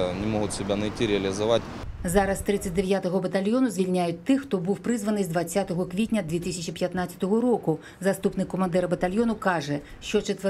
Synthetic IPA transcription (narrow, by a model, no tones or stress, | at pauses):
nʲɪmɔɣʊt̪ʲsʲɪbʲanɐjtʲiɾʲɪɐlʲɪzɐvatʲzaɾɐst̪ɾɨt̪sːɐtʲd̪ɛvʲjat̪ɐɣɐbɐt̪alʲjɔnuzʲvʲilʲnʲajʊt͡sʲt̪ːɨxt̪ɔbɨwpɾɨzvɐnɨzʲd̪vasʲːat̪ɐɣɐkvʲit̪ʲnʲɐd̪ʲvʲeɛt̪ɨsʲɐt͡ʃipʲjat̪nat̪sʲɐ̥t̪ɐɣɐɾɔku | zast̪upnɨkːɔmand̪ɛɾbɐt̪alʲjɔnukaʐɛ | ʃt͡ʃɔt͡ʃɛt̪vɛ